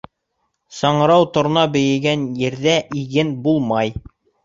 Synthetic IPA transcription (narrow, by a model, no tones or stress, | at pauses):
sɑɴɤ̆ɾɑwt̪ŏɾ̆nɑbɘ̆jɘ̆ɡænjɘ̆ɾðæʔiɡɘnbulˠmɑj